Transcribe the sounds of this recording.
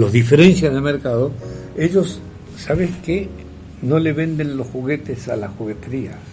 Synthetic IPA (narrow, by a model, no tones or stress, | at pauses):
lozðife̞ɾe̞n̟θjanelmeɾkaðoe̞ʎo̞sː | aβ̞eske | no̞le̞βe̞nd̪ẽ̞nlo̞sxuɣe̞t̪esalaxuɣe̞t̪eɾia